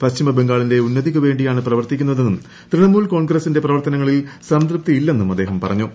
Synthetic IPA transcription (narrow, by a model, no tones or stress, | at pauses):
pɐɕt͡ɕimɐbe̞ŋɡaːɭinde̞unːɐðikʲːuʋe̞ːɳɖijaːɳɨprɐʋɐrt̪ikʲːunːɐðe̞nːum | t̪ɾiɳɐmuːɭko̞ːɳɡrɐsinde̞prɐʋɐrt̪ɐnɐŋːɐɭilsɐmd̪rɨp̚t̪iilːe̞nːumɐd̪ːeːɦɐmpɐrɐɲːu